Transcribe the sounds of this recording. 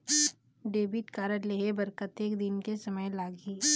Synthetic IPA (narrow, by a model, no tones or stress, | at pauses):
ɖeːbiʈkaːɾəɾleːɦebɐɾkət̪eːkd̪ɪnkesɐməjlaːɡiː